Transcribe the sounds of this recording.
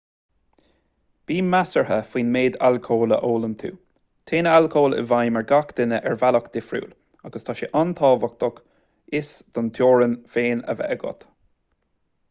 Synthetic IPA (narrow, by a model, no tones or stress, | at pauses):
b̥iːmasəɹhəfiːnmeːd̪alkʰoːləʔoːlənt̪ʰṵː | t̪ʰeːnəalkʰoːlə̰vajməɹɡakd̪̥ɪnəʔɛɹvalɔkd̪̥ɪfɾṵːl | aɡəst̪ʰaʃɪʔant̪ʰɑːvɔk̚t̪ɔk | ɪsd̪̥ɔnt̪ʰjoːɹənfeːnə̰vɛ̰ɛɡɔ̰t̪